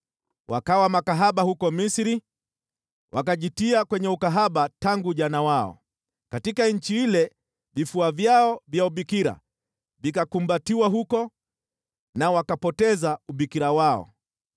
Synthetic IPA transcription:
wʔa̰kawamakaɦaɓahukɔmisɾi | wʔakaʄitiakwɛɲɛukaɦaɓataŋɡuʄanawaɔ̰ | katikaɲ̩t͡ʃiilɛ | vifuavjaɔvjauɓikiɾa̰ | vikakumbatiwaɦukɔ | nawakapɔtɛzauɓikiɾawaɔ̰

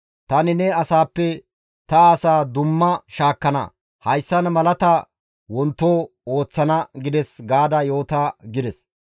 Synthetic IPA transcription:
t̪ɐnɪnɛɐsaːpːɛ | t̪ɐaːsaːd̪ʊmːɐʃaːkːɐnɐ̰ | hɐjsːɐnmɐlɐt̪ɐ | wɔnt̪ːoːoːt͡sːɐnɐɡɪd̪ɛsɡaːd̪ɐjo̞ːt̪aːɡɪd̪ɛs

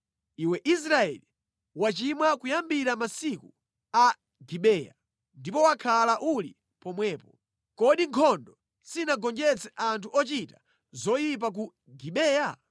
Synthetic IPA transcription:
iwɛʔis̬ɾaɛ̰li | wat͡ʃimwakujambiɾamasiku | a | ɡiɓɛːja̰ | ndipɔwakʰalaʔuli | pɔmwɛːpɔ | kɔɗiŋkʰɔndɔ | sinaɡɔnd͡ʒɛt͡sɛʔantʰuʔɔt͡ʃita | zɔjip̬ak̬u | ɡiɓɛːja

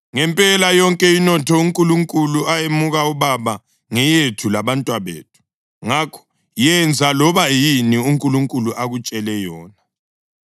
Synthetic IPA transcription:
ŋɛmpʼɛlajɔŋkʼɛinɔtʰɔuŋkʼuluŋkʼuluajemuɣauβaβa | ŋɛjetʰulaβantʼwaβḛːtʰu̥ | ŋakʰɔ̥ | jɛnd͡zʱalɔβajiniuŋkʼuluŋkʼuluʔaɣut͡ʃʼɛlɛjɔːna

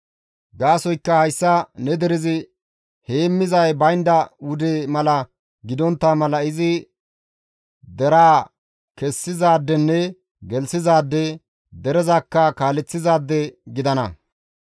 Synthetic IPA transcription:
ɡaːsɔjkːɐhɐjsːɐnɛd̪ɛɾɪzɪ | heːmːɪzɐjbɐjnd̪ɐwʊd̪eːmɐlɐ | ɡɪd̪ɔnt̪ːamɐlɐɪzɪ | d̪ɛɾaː | kɛsːɪzaːd̪ːɛnːɛ | ɡɛlsɪzaːd̪ːɛ | d̪ɛɾɛzɐkːɐkaːlɛt͡sːɪzaːd̪ːɛɡɪd̪ɐnɐ

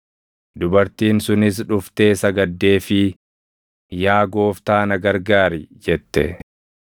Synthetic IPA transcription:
d̪ʊbɐɾt̪iːnsʊnɪs̬ᶑʊft̪e̞ːsɐɡɐd̪ːe̞ːfɪ | jaːɡo̞ːft̪aːnɐɡɐɾɡaːɾɪd͡ʒɛt̪ːɛ̰

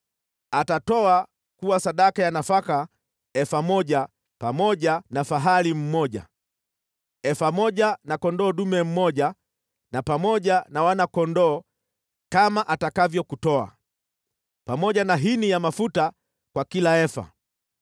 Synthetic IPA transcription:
atatɔa | kuwasaɗakajanafaka | ɛfamɔʄa | pamɔʄanafaɦalim̩mɔʄa̰ | ɛfamɔʄanakɔndɔːɗumɛm̩mɔʄa | napamɔɟanawanakɔndɔː | kamaʔatakavjɔkutɔa̰ | pamɔɟanaɦinijamafuta | kwakilaɛfa̰

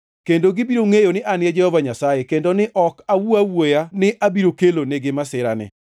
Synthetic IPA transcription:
kendoɡɪbiɾoŋejonɪʔanɪɛd͡ʒɛhɔvaɲasajekendonɪʔɔkawuawojanɪʔabiɾokeloneɡɪmasɪɾa̰nɪ̰

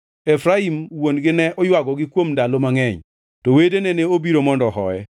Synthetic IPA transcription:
efɾaimwonɡɪnɛʔɔjwaɡɔɡɪkwomdalomaŋɛɲ | tɔwedeneneobiɾomɔndɔɦɔ̰ɛ

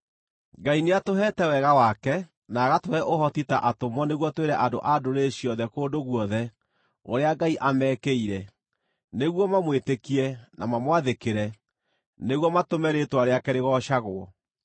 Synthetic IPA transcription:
ɡaineatoɦɛtɛwɛɣawakɛ | naːɣatoɛʔoɦɔtitaʔatomɔneɣwɔtweɾɛʔado̰ʔadoɾeɕiɔðɛkoːdoɣwɔðɛ | oɾeaɡaiʔamɛːkeiɾɛ | neɣwɔmamwetekiɛnamamwaðekeɾɛ | neɣwɔmatomɛɾetwaɾeakɛɾeɣɔɕaɣoɔ̰

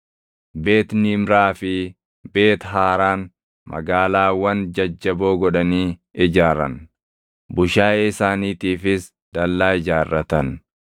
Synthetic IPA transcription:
beːt̪nɪmɾaːfɪ | be̞ːt̪ɦaːɾaːn | mɐ̰ɡaːlaːwɐnd͡ʒɐd͡ʒːɐbo̞ːɡɔᶑɐniːɪd͡ʒaːɾɐ̰n | bʊʃaːɪsaːniːt̪iːfɪs | d̪̥ɐlːaːɪd͡ʒaːrːɐt̪ɐn

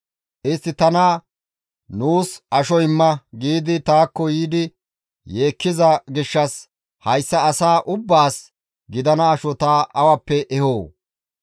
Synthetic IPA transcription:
ʔɪst̪ːɪt̪ɐna | nuːsʔɐʃɔjɪmːɐɡiːd̪ɪt̪aːkːɔjiːd̪ɪ | je̞ːkːɪzɐɡɪʃːɐs | hɐjsːɐːsaːʔʊbːaːs | ɡɪd̪ɐnɐːʃɔt̪aːʔɐwɐpːɛʔɛhoː

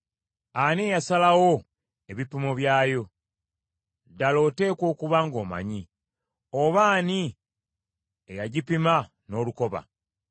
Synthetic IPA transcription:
aniejasalawo̞ | e̞βipimoβjaːjo̞ | dalo̞ːte̞ːkwo̞ːkuβaŋɡoːma̰ɲi | oβaːni | ejaɟipima | no̞ːluko̞βa̰

